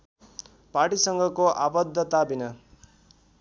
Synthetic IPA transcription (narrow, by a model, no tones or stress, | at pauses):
paʈisʌŋɡʱʌkoʔabʌd̪ʱːʌt̪abinʌ